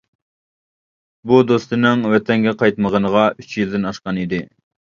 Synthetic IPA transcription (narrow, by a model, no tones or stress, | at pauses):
bud̪ost̪ɨnɪŋwɛt̪ʰɛŋɡʲɛqɑjt̪məʁənəʁɑyt͡ʃjild̪ɪnɑʃqɑnid̪ɪ